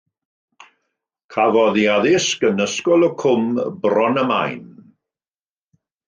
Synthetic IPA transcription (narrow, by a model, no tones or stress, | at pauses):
kʰavɔðiaðɪskənəskɔlˠɔkʰʊmbrɔnəma̰jn